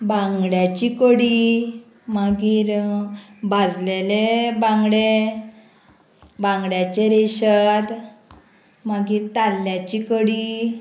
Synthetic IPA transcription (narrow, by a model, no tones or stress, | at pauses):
bãŋɡɽjat͡ɕikəɽi | maɡiːɾ | bad͡zlelebãŋɡɽe | bãŋɡɽjat͡ɕeɾeɕət̪ | maɡiːɾt̪alːjat͡ɕikəɽi